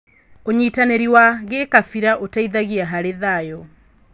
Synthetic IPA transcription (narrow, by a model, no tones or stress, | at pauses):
oɲiːtaneɾiwaɣekafiɾaʔotaiðaɣiaɦaɾeðajɔ